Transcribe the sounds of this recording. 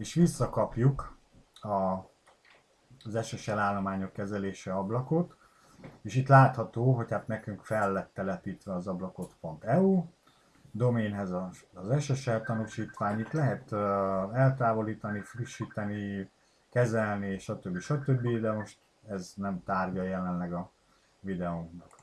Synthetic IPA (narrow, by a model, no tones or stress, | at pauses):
eːʃʋisːɒkɒpjuk | ɒ | zɛʃɛʃɛlaːlːomaːɲo̞kːɛzɛleːʃɛɒblɒko̞t̪ | eːʃit̪laːt̪hɒt̪oːɦo̞chaːt̪nɛkyŋkfɛlːɛt̪ːɛlɛpiːt̪ʋɛɒzɒblɒko̞t̪po̞nt̪ɛuː | d̪o̞meːnɦɛzɒːzɛʃɛʃɛlt̪ɒnuʃiːt̪ʋaːɲit̪lɛɦɛt̪ | ɛlt̪aːvo̞liːt̪ɒnifriʃːiːt̪ɛni | kɛzɛlnieːʃɒt̪øbːiʃɒt̪ø̞bːid̪ɛmo̞ʃt̪ | ɛznɛmt̪aːrɟɒjɛlɛnlɛɡɒ | vid̪ɛoŋknɒk